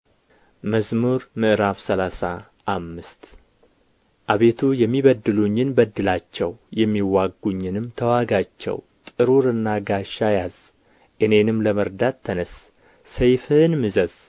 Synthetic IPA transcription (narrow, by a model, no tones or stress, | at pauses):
məsmuɾmɨʔɨɾafsəlasa | ʔːmːɨst̪ | ʔaβe̞t̪ʰujɛmːiβəd̪ːɨluɲːɪnbəd̪ːɨlat͡ʃːɛwjɛmːiwaɡuɲːɪnɨmt̪ʰəwaɡat͡ʃːɛ̰w | t̪ʼɨɾuɾɨnːaɡaʃːajaz̥ | ʔɨne̞nɨmləməɾd̪at̪ʰːənəsː | əjfɨnmɨzəz̥